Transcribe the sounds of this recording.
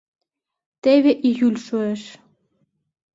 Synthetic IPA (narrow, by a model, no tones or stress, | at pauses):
t̪eβeʔijylʲʃoeʃ